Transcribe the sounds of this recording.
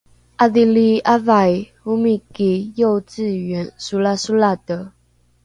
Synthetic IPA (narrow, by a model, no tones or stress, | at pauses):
ʔaðiliavai | umikejoʊt͡s̩ɥɛnsulasulad̪ə